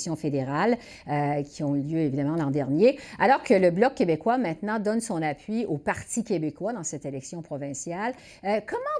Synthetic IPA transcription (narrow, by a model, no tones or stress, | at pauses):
sjɔ̃fed̪eʁal | økʲʰiɔ̃ljøevid̪amɑ̃lɑ̃d̪ɛʁnjealɔʁkələblɔkʲːebekwamɛ̃t̪nɑ̃d̪ɔnsɔ̃napʰɥiopaʁt̪ikʲebekwad̪ɑ̃sɛt̪elɛksjɔ̃pχɔvɛ̃sjal | kɔmɑ̃